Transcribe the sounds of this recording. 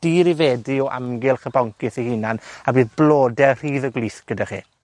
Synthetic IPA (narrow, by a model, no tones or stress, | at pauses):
d̥iːɾivɛːdiɔʔa̰mɡɪlˠχəbɔŋkɪθihinanabɨːðblˠoːdɛr̥iːðəɡlˠiːθɡ̥ədaχḭː